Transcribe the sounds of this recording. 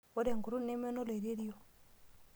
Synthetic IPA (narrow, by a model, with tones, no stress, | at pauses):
o˦de˨ŋɡu˨ɾu˦ne˦mɛ˦no˦lo˨i˨ɾe˦ɾjo˨